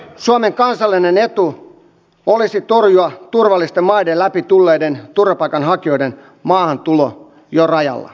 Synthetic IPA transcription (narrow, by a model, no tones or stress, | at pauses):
suomeŋkɑnsɑlːinenet̪u | olisit̪orjuɑt̪urʋɑlːˑist̪emmɑidelæpit̪ulːeːdent̪urʋɑpɑikɑnɦhɑkio̞iden | mɑːhɑnt̪ulo̰ | jorɑjɑ̰lːɑ̰